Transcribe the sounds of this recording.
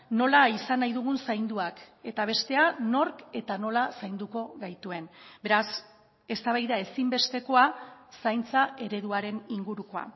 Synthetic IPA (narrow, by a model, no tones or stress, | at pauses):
no̞laisanajðuɣ̞unsajnd̪uake̞t̪aβ̞e̞st̪e̞ano̞ɾke̞t̪ano̞lasajnd̪uko̞ɣajt̪ue̞nbe̞ɾas | e̞st̪aβ̞ajðae̞simbe̞st̪e̞ko̞asajnt͡sae̞ɾe̞ðuaɾe̞niŋɡuɾuko̞a̰